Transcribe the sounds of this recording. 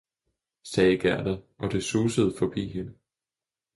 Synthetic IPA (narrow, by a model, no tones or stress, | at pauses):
sɛːɡ̥æɐ̰d̥ɐʔɒ̽d̥e̝suːsəð̞̩ˠfɒ̽b̥ḭːɦe̝nə